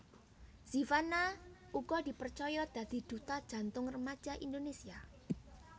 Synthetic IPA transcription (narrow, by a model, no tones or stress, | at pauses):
sifana | uɡɔd̪i̤pərt͡ʃɔjɔd̪̥a̤d̪̥i̤d̪̥ṳt̪ad̥ʒ̥a̤nt̪ʊŋrəmḁd͡ʒ̥aʔind̪onesia